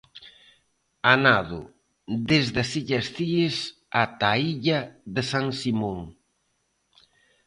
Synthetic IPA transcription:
anaðʊ̰ | d̪ezðasiʎɐsθiɪs | at̪aiʎaðesaŋsimoŋ

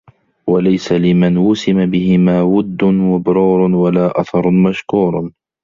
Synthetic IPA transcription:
walajsalɪmanwʊsɪmabɪhɪmaːwʊd̪ːʊnwabʊɾuːɾˤwalaːʔaθɑɾˤmaʃkuːɾˤ

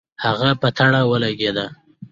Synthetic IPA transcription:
haɣapət̪ʰaɽawəlaɡed̪a

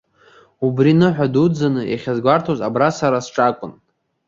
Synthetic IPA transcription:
ubrinɨħʷᶣadud͡zanɨja̰χʲazɡʷartʰozabrasaɾasʈ͡ʂʼakʷʼʊn

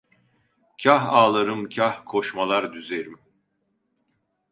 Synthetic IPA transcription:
cʰaɦaːlˠaɾɯmcʰahkʰoʃmalˠaɾd̪yzeɾim

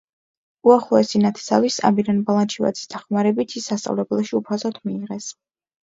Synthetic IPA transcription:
uaχlˠɔɛsinat̪ʰɛ̥savisa̰miɾanbalˠant͡ʃʰiva̰d̪z̥i̥sd̪aχmaɾɛbit̪ʰisːast̪sʼa̰vlɛbɛlˠʃiupʰazɔt̪ʰmiːʁɛs

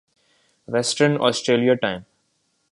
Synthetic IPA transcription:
ʋɛsʈəɾnɔ̰ːsʈɾeːlijaʈãɪ̃m

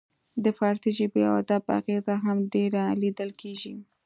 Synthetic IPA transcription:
d̪əfɑɾt̪iʒibea̰wa̰d̪aba̰ɣezaɦamɖeɾalid̪əlkʰeʒi

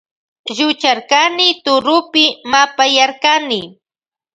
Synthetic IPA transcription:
ʒʊt͡ʃaɾkanɪt̪ʊɾʊpɪmapajaɾkanɪ

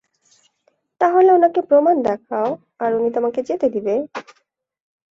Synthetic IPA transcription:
t̪aɦoleonakepɾomand̪ɛkʰao | aɾunit̪omaked͡ʑet̪ed̪ibe

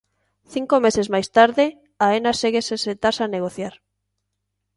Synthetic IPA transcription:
θiŋkomesezmajst̪aɾðe | aenaseɣeseset̪asaneɣ̞oθjaɾ

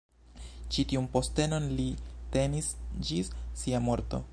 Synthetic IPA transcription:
t͡ʃitiunpo̞ste̞no̞nlite̞nisd͡ʒisːiamo̞ɾto̰

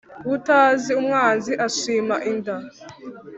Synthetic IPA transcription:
wutaːziumŋaːnziʔaʃiːmaʔinda

